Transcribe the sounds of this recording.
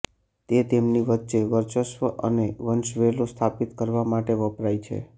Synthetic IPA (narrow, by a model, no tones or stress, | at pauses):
t̪et̪emniʋətːʃeʋəɾt͡ʃəʃʋəʔə̰neʋənʃʋelost̪ʰapit̪kəɾʋamaʈeʋəpɾait͡ʃʰḛ